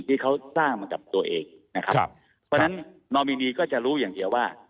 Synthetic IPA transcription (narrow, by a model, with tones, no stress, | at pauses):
t̪ʰiː˥˩kʰa˦˥wsaː˥˩ŋma˧ka˨˩p̚t̪u˧ɐʔeː˧ŋna˦˥kʰa˦˥p | pʰɔː˦˥na˦˥nnɔː˧miː˧niː˧kɔː˥˩t͡ɕa˨˩ɾuː˦˥jaː˨˩ŋd̪i˧ɐwaː˥˩